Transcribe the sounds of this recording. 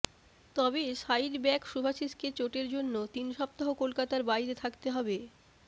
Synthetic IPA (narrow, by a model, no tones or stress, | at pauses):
t̪ɔbeʃajdbɛkʃubʱaʃiʃket͡ɕoʈeɾd͡ʑonːot̪inʃɔp̚t̪aɦokolkat̪aɾbaiɾet̪ʰakt̪eɦɔbe